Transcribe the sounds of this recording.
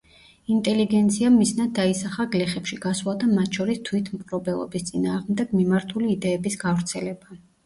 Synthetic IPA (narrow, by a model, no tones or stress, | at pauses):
int̪ʼɛliɡɛnt̪sʰiamːisnad̪̚d̪aisaχaɡlɛχɛpʃiɡ̥aswlˠad̪amat̪ʰʃʰɔɾist̪ʰwit̪ʰmkʼɾɔbɛlˠɔ̰bist̪sʼinaːʁmd̪ɛɡ̥mimaɾt̪ʰuliːd̪ɛːbisɡavɾt̪sʰɛlɛba